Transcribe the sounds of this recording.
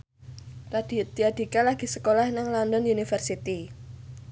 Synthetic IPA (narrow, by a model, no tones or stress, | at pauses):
lad̥id̪̥iad̥i̤kalaɡ̥i̤səkolahnaŋlɔndɔnunifərsit̪i